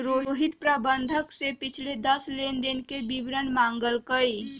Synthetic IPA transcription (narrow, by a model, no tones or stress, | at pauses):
ɾoɦoɦit̪pɾabənd̪ʱəksepɪt͡ʃʰled̪əslend̪inkebibɾənmaŋɡəlkəj